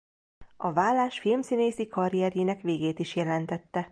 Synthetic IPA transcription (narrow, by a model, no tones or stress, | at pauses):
ɒvaːlːaːʃfilmsineːsikɒɾiɛɾjeːnɛkʋeːɡeːt̪iʃjɛlɛnt̪ɛt̪ːɛ